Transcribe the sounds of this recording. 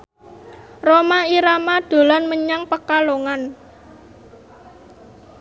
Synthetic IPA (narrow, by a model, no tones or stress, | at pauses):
romaiɾamad̪̥o̤lanməɲaŋpəkaloŋan